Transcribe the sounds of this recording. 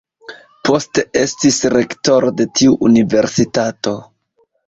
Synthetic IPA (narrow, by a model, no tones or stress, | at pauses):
po̞ste̞e̞stisɾe̞kto̞ɾode̞tiuʔunive̞ɾsitato̞